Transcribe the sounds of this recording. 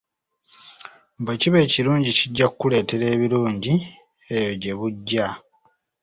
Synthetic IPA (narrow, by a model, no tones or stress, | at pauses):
mbweːciβe̞ːciɾuːɲɟiciɟːakukːule̞ːte̞ɾe̞ːβiɾuːɲɟi | ejo̞ɟe̞βuɟːa